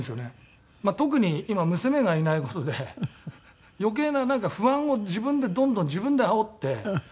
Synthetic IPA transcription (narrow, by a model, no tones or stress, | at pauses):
esɨjo̞ne | mat̪o̞k̬ɯ̟ɲ̟iimamɯ̟sɨme̞ɡainaiko̞t̪o̞d̪e̞ | jo̞k̬e̞ːnanãŋkaɸɯ̟ãɰ̃o̞d͡ʑibɯ̟̃nd̪e̞d̪õnd̪õ̞ɲ̟d͡ʑibɯ̃nd̪e̞ao̞t̪ːe̞